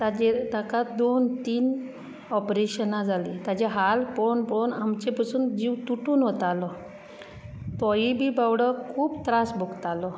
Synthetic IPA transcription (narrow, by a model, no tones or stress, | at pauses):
t̪ad͡ʑet̪akad̪ont̪iːn | ɔpɾeɕənad͡zʱalit̪ad͡ʑeɦalpɔnpɔnamt͡ɕepasuːnd͡ʑiwt̪uʈuːnɦot̪alɔ | t̪ɔjibʱiːbawɽəkʰuːbt̪ɾasbʱuɡt̪alɔ